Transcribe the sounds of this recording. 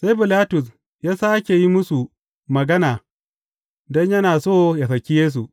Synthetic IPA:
se˦jbɪ˨laː˦tʊ˨s | jaː˦saː˦kʲe˨ji˦mʊ˦su˨ | mɐ˨ɡɐ˦naː˨ | dɔ˦ɲjɐ˦naː˨soː˦˨ja˨sɐ˨kʲi˦jeː˦s̬u˨ʔ

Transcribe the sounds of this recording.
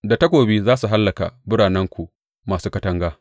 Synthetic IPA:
da˨tɐ˦kʷoː˨biː˦zaː˦su˨ɦa˦lːɐ˨ka̰˨bʊ˦ɽaː˨nɛ˦ŋkʷu˨ | maː˨suː˦kɐ˦tɐ˦ŋɡaː˦

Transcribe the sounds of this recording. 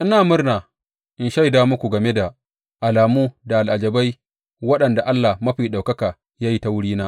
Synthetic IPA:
ʔɪ˦naː˨mʊ˦rnaː˨ | ʔɪ˨nʃa˦jdaː˦mʊ˦kʷu˨ɡɐ˨me˦da˨ | ʔa˨laː˨muː˦da˨ʔa˨lʔa˨d͡ʒɐ˨ba˦j | wɐ˦ɗɐ˨nda˨ʔa˦lːa˨mɐ˦ɸiː˨ɗa˨wkɐ˦ka˨ | jaː˦ji˦ta˦wʊ˦ɽiː˦naː˦ʔ

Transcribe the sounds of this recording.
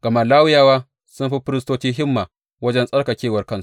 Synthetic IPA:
ɡɐ˨ma˨laː˦wʊ˦jaː˦˨waː˦ | sʊ˦mɸi˦ɸɪ˦ɾɪ˦stoː˦t͡ʃiː˦ɦɪ˦mːaː˨ | wɐ˦d͡ʒɛ˦nsʼɐ˦rka˨kʲeː˦˨wɐ˨rkɐ˦nsu˦ʔ

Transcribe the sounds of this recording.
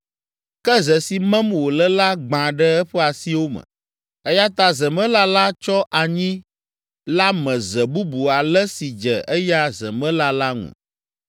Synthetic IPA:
kɛ˦zɛ˨si˨mɛ̃˦mwo˨lə˦la˦ɡ͡bã˨ɖɛ˦ɛ˦ɸɛ˦a˨si˦wo˦mə̰̃˨ | ɛ˦ja˦t̪a˦zɛ˨mə̃˦la˦la˦t͡ʃɔ˦ʔa˨ɲĩ˦ | la˦mɛ̃˨zɛ˨bu˦bu˨a˨lɛ˦si˨d͡ʒɛ˨ʔɛ˦ja˦zɛ˨mɛ̃˦la˦la˦ŋṵ̃˨

